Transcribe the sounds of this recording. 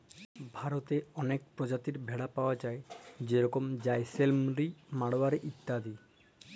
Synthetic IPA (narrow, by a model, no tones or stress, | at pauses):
bʱaɾot̪eɔnek̚pɾod͡ʑat̪iɾbʱeɽapaoad͡ʑaed͡ʑeɾɔkomd͡ʑaeselmɾimaɽoaɾeʔit̪ːad̪i